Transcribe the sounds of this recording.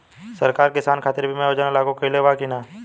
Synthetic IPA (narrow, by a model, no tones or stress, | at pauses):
sɐɾkaːɾkɪsaːnkʰaːt̪ɪɾbʱimɛ̃oːd͡ʒaːnalaːɡõkəileʋaːkinaː